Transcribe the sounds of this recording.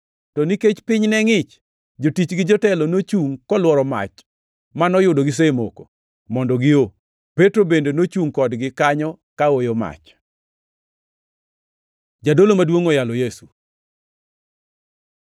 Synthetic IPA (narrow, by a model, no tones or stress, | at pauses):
tɔniket͡ʃpɪɲnɛŋɪt͡ʃ | d͡ʒotit͡ʃɡɪd͡ʒɔtɛlonot͡ʃuŋkɔlwɔɾɔma̰t͡ʃ | manɔjʊdoɡɪs̬emoko | mɔndɔɡɪo | petɾobendenot͡ʃuŋkɔdɡɪkaɲɔ | kaojoma̰t͡ʃ | d͡ʒadolomadwoŋɔjalɔjesu